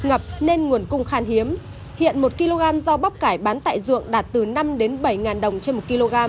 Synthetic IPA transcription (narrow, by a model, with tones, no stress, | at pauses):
ŋə˨˩p̚ne˧nŋu˨˩ənkʊ˧ŋ͡mxaː˧nhi˨˦əm | hḭ˧˨ənmo˨˩t̚ki˧lo˧ɣaː˧mzɔ˧ɓa˦˥wk͡p̚kaː˧˩jɓaː˨˦nt̪a̰ː˧˨jzṵ˧˨əŋɗaː˨˩t̚t̪ɨ˨˩na˧mɗe˨˦nɓə˧˩jŋaː˨˩nɗə˨˩wŋ͡mt͡ɕe˧nmo˨˩t̚ki˧lo˧ɣaː˧m